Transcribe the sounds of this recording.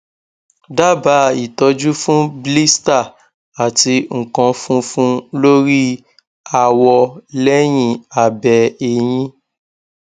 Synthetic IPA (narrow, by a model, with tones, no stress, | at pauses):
da˦ba˨˦i˨tɔ˧d͡ʒu˦fũ˦bli˦sta˦˨ | a˨ti˧ŋ̩˨kã˧fũ˦fũ˦lo˦ɾi˦ | a˨wɔ˧lɛ˦j̃ĩ˧˨a˨bɛ˨e˧˨j̃ĩ˦